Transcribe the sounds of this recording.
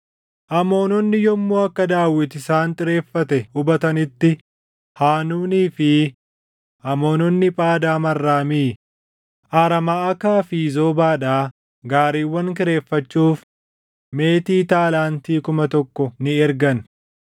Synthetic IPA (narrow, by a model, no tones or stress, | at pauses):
ʔɐmo̞ːnɔnːɪjɔmːuːɐkːɐd̪aːwːɪt̪ɪsaːnt̪ʼɪɾe̞ːfːɐt̪ɛʊbɐt̪ɐnɪt̪ːɪ | haːnuːniːfɪ | ʔɐmo̞ːnɔnːɪpʼaːd̪aːmɐrːaːmiː | ʔaːɾɐmɐɐkaːfiːzo̞ːbaːᶑaː | ɡaːɾiːwːɐŋk̬ɪɾe̞ːfːɐt͡ʃːuːf | me̞ːt̪iːt̪aːlaːnt̪iːkʊmɐt̪ɔkːɔnɪɛɾɡɐn